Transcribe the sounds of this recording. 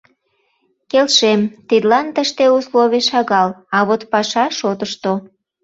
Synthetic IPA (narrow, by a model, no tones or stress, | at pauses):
kelʃemt̪id̪lɑnt̪əʃt̪eusloβeʃɑɣɑlɑβot̪pɑʃɑʃot̪əʃt̪o